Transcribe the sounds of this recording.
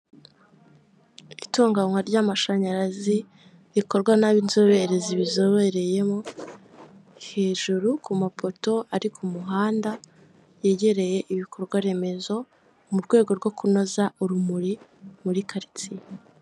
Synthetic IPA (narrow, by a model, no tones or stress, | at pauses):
itoːŋɡaŋwaɾɟamaʃaɲaɾazi | ɾiko̞ɾɡwanaβinzo̞βe̞ɾe̞ziβizo̞βe̞ɾe̞je̞mo | he̞ːʒuɾukumapo̞to̞aɾikʰumuɦaːnda | jeɟe̞ɾe̞je̞ʔiβikʰo̞ɾɡwaɾe̞me̞zo̞ | muɾɡwe̞ːɡo̞ɾɡo̞kuno̞zauɾumuɾimuɾikʰaɾit͡si